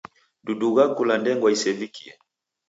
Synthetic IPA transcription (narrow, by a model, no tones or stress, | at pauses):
duduɣakulandɛŋɡwaisɛvikʰia